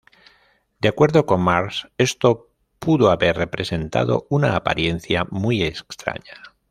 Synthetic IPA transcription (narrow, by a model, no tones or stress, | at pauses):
d̪eakwe̞ɾðo̞ko̞mmaɾse̞st̪o | puðoaβe̞ɾre̞pɾe̞se̞nt̪a̰ðo̞̰unaːpa̰ɾje̞nθjamuijeskst̪ɾa̰ɲa